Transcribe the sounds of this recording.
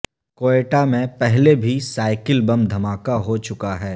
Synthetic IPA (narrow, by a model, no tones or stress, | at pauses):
koːeːʈamẽpɛɦlebʱisaːɪkɪlbɐ̃md̪ʱɐmaːkaɦot͡ʃʊkaɦɛː